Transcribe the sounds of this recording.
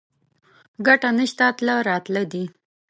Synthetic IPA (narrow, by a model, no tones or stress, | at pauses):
ɡaʈanəʃt̪at̪laɾɑt̪lad̪i